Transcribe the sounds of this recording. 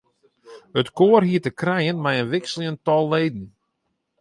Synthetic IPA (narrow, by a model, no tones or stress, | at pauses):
ʏt̪kɔːɾɦiːt̪əkʰɾajɪnmajɛnvɪkslijənt̪ɔlːejt̪n̩